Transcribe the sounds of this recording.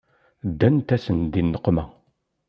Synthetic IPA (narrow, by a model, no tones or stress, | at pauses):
d̪ːænt̪æsənd̪inːəqːmæ